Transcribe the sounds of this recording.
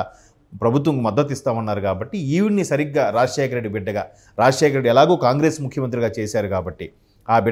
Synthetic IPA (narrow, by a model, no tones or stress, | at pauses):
pɾɐbʱut̪̬ʋɐŋkumɐd̪ːɐt̪̬ist̪aːʋunːaːɾukaːbɐʈːiiːʋunːisɐɾiɡːaːɾaːd͡ʒʂɛːkʰɐɾe̞ɖːibɛɖːɐɡaː | ɾaːd͡ʒʃɛːkʰɐɾeɖiɛlaːɡoːkaːŋɡɾe̞ːsmukʰjɐmɐnt̪̬ɾiɡaːt͡ʃeːsaːɾukaːbɐʈːi | aːbɛ